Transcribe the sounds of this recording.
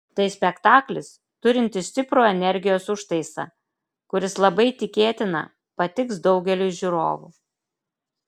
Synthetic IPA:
t̪ɐɪsʲpʲɛkt̪ɑːklʲɪs | t̪ʊɾʲɪnʲt̪ʲɪsʲt̪ʲɪpɾoːɛnʲɛɾʲɡʲɪjoːsʊʃt̪ɐɪsɐ̰ | kʊɾʲɪslˠɐbɐɪt̪ʲɪkʲeːt̪ʲɪnɐ̰ | pɐt̪ʲɪksd̪ɒʊɡʲɛlʲʊʒʲuɾo̰ːʋṵ

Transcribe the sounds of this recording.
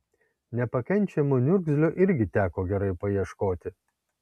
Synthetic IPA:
nʲɛpɐkʲɛnʲˑt͡ʃʲɛmoːnʲʊɾɡzʲlʲoːʔɪɾʲɡʲɪt̪ʲæːkoːɡʲɛɾɐɪpɐjiɛʃkoːt̪ʲɪ

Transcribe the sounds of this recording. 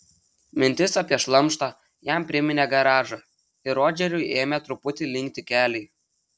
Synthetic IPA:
mʲɪnʲt̪ʲɪsɑpʲiɛʃlˠɐmˑʃt̪ɑ | jæmpʲɾʲɪmʲɪnʲeɡɐɾɑːʒɑ | ɪɾoːd͡ʒʲɛɾʲʊɪeːmʲet̪ɾʊpʊt̪ʲɪlʲɪŋʲk̚ʲt̪ʲɪkʲæːlʲɛɪ

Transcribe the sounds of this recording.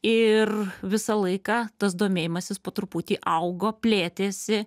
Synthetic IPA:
ɪrʋʲɪsɐlˠɐɪkɑːt̪ɐs̬d̪oːmʲeːjɪmɐsʲɪspoːt̪ɾʊpuːt̪ʲiːʔɐʊɡoːpʲlʲeːt̪ʲeːsʲɪ

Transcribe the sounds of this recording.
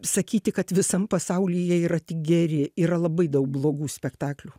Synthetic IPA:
sɐkʲiːt̪ʲɪkɐt̪ʋʲɪsɐmpɐsɐʊlʲijɛiːɾɐt̪ʲɪk̚ɡʲɛɾʲɪiːɾɐlˠɐbɐɪd̪ɐʊk̚blˠoːɡuːsʲpʲɛkt̪ɑːklʲuː

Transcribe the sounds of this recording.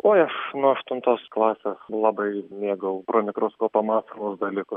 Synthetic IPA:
oːɐʃnuɔɐʃt̪ʊnt̪oːsklˠɑːsʲeːslˠɑbɐɪmʲeːɡɐʊpɾoːmʲɪkɾʊskoːpɐmɑːsɐlʊsd̪ɐlʲiːkʊs

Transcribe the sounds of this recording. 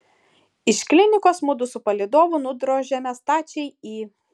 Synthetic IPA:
ɪʃklʲɪnʲɪkoːsmʊd̪ʊsʊpɐlʲɪd̪oːʋʊnʊd̪ɾoːʒʲɛmʲɛst̪ɑːt͡ʃʲɛɪiː

